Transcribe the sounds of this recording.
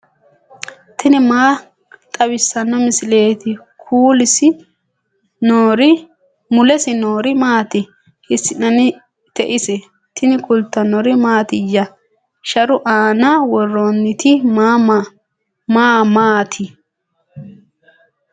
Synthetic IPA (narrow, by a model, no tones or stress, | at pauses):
t̪ʰɪnɪmaː | t̪ʼɐbɪsːɐnːɔmɪsɪleːt̪ɪ | kʰuːlɪsɪ | oɾɪ | mʊlɛsɪnoːɾɪmaːt̪ɪ | ʔɪsːɪnɐnɪ | t̪ɛʔɪsɛ | t̪ʰɪnɪkʊlt̪ːɐnɔɾɪmaːt̪ɪjːɐ | ʃɐɾʊʔaːnawɔrːoːnːɪt̪ɪma | maːmaːt̪ʰɪ